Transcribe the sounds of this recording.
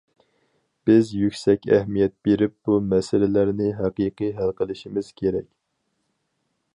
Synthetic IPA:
b̥ɪzjykʲsɛkʲɛ̰hmijɛt̪̚b̥eɾɪp̚b̥umɛsɪlɪlæɾnɪɦæqiːqɨjɦælˠqəlˠɪʃimɪz̥kʲʰeɾɛkʲ

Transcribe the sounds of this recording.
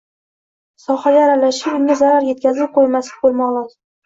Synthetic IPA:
sɒχaɡʲaːɾalaʃɪpʊŋʲazaɾaɾje̞t̪̚kʲʰazɪp̚qʰojmasɪ̥bolˠmaɒlˠɒd̪

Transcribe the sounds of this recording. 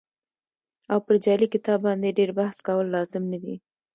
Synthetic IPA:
awpəɾd͡ʒɑlikɪt̪ɑbːɑnd̪eɖeɾbahskawəlːɑzɪmnad̪i

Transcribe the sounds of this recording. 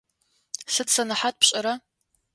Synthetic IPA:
sɨtsɐnɨħat̚pɕʼɐɾa

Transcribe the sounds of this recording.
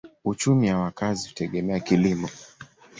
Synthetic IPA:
ut͡ʃumiwawakazihu̥tɛɠɛmɛakilimɔ

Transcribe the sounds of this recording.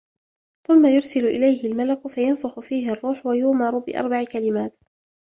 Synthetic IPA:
θʊmːajʊɾˤsɪlʊʔɪ̰lajɦɪlmalaqʊfajanfaxʊfiːɦɪɑrˤːuːħwajʊːmɑɾˤʊbɪʔɑ̰ɾˤbaʕkalɪmaːt̪

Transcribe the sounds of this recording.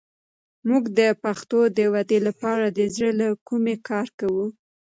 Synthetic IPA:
muɡd̪əpaxt̪od̪əwad̪elapɑɾad̪əzɽəlakumekʰɑɾkawu

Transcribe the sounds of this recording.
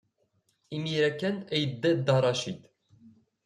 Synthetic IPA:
imiɾɛkɛnɛjd̪əd̪ɑɾˤɑʃit̪

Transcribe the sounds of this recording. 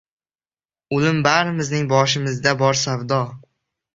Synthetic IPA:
ʊlɪmbaɾɪmɪznɪŋbɒʃ̬ɪmɪzd̪abɒɾsavd̪ɒ

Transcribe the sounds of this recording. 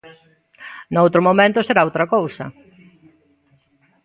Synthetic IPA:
nowt̪ɾomomẽnt̪ʊseɾaowt̪ɾɐkowsɐ̰

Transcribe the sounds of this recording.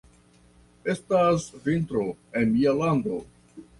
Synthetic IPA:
e̞stasvintɾo̞e̞nmialando̞

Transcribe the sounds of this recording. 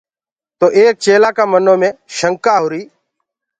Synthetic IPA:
t̪oːʔeːk̚t͡ʃeːlaːkaːmənoːmẽːʃəŋkaːɦʊɾiː

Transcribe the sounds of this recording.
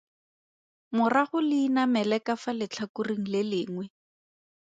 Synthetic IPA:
mʊraχʊlɪinamɛlɛkafalɪt͡ɬʰakuriŋ̩lɪlɪːŋwɛ

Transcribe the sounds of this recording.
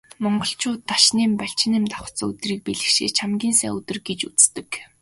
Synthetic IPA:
mɔɴɢɞ̆ɬt͡ɕʊːt̪ːaʃniːmpaɬt͡ɕɪ̆nɪːmt̪aχə̥̆t͡sːɵ̰t̪riːk̚piɮɘ̆xʃḛːt͡ɕʰamɡʲiːnsæ̰ːŋɵt̪ɘ̆rɡet͡ɕut͡st̪ɘ̆k

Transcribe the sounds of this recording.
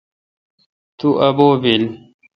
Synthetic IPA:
t̪uʔɐboːbil

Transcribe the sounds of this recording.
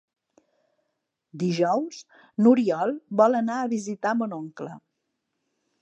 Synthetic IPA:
d̪iʒɔwz | nuɾiɔlˠbɔlənaəβizit̪amənoŋklə̰

